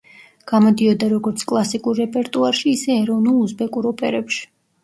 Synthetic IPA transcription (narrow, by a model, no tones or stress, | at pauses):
ɡ̥amɔd̪iɔd̪aɾɔɡɔɾt̪sʰkʼlˠasikʼuɾːɛpʼɛɾt̪ʼuaɾʃiːsɛːɾɔvnulˠuzbɛkʼuɾɔpʼɛɾɛpʃi̥